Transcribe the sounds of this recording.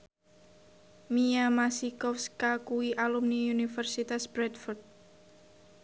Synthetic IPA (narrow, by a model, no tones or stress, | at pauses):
miamasikɔfskakuiʔalumniunifərsit̪asb̥ɾɛt̪fɔrt̪̚